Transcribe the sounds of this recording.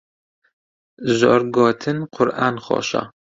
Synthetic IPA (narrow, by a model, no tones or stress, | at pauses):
zoːɾɡoːt̪ʰɨnqʰʊɾʔɑːnχo̰ːʃɑ̰